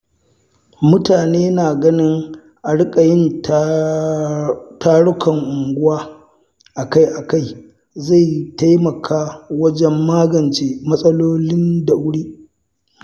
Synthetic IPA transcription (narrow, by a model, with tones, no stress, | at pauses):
mʊ˦taː˨neː˦naː˨ɡɐ˦nɪ˦ŋ | ʔa˨ɽɪ˦kʼa˨jɪ˦n | taː˦ɽʊ˦kʰɐ˨ŋʔʊ˨ŋɡʷʊ˦waː˦ | ʔa˨ka˦jʔa˨ka˦j | za˦˨ta˦jmɐ˨kʰaː˦wɐ˦d͡ʒɛ˦mːaː˦ɡɐ˨nt͡ʃeː˦mɐ˦sʼɐ˦loː˦lɪ˦nda˨wʊ˦ɽiː˦